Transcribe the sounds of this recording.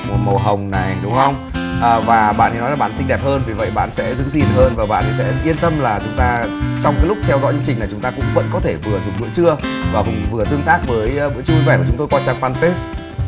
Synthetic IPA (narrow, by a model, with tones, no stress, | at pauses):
mo˨˩mo˨˩ɦə˨˩wŋ͡mna˨˩jɗʊ˨˦ŋ͡mhə˧wŋ͡m | ʔəː˨˩vaː˨˩ɓa̰ː˧˨nt̪ʰi˨˩nɔ˨˦jlaː˨˩ɓa̰˧˨nsï˧ŋ̟ɗɛ˨˩p̚həː˧nvi˨˩və̰˧˨jɓa̰ː˧˨nsɛ̰˧˥zɨ̰˧˥zi˨˩nɦəː˧nvaː˨˩ɓa̰ː˧˨nt̪ʰi˨˩sɛ̰˧˥kwi˧ənt̪ə˧mlaː˨˩t͡ɕʊ˨˦ŋ͡mt̪aː˧t͡ɕɔ˧wŋ͡mkaː˨˦jlʊ˦˥k͡p̚t̪ʰɛ˧wzɔ̰˧˥ɲɨ̰˧˦t͡ɕï̟˨˩na˨˩t͡ɕʊ˨˦ŋ͡mt̪aː˧kʊ̰˧˥ŋ͡mvə̰˧˥nkɔ˨˦t̪ʰe˧˩vɨ˨˩əzʊ˨˩ŋ͡m̚ɓɨ̰˧ət͡ɕɨ˧əvaː˨˩kʊ˨˩ŋ͡mvɨ˨˩ə˩t̪ɨ˧əŋt̪aː˦˥k̚vəː˨˦jvɨ̰˧˥ət͡ɕu˧i˧vɛ˧˩kːʊ˨˦ŋ͡mt̪o˧jkɔ˧t͡ɕa˧˩ŋfaː˧nfe˦˥s